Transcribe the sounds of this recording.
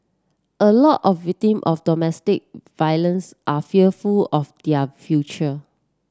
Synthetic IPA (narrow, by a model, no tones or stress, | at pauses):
ʔəlɔtɔfvik̚tĩmʔɔfdɔmɛstik̚vajlə̃nsʔafiəfulɔfd̥ɛəfjut͡ʃə